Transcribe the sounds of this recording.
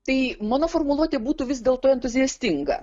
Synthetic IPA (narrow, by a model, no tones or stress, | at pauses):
t̪ɐɪmɑːnoːfoːrmʊlˠuɔt̪ʲeːbuːt̪uːʋʲɪsd̪ʲeːlˠt̪oːɛnt̪ʊzʲɪɛsʲt̪ʲɪŋɡɐ̰